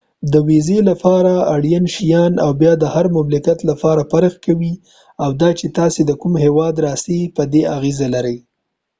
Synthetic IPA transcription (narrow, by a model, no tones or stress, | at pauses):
d̪əwezelapɑɾaaɽjanʃijɑnawbjɑd̪əhaɾmamlɪkat̪lapɑɾapaɾəxkawi | awd̪ɑt͡ʃet̪ɑsed̪əkumhewɑd̪ɾɑsepəd̪eaɣezalaɾəj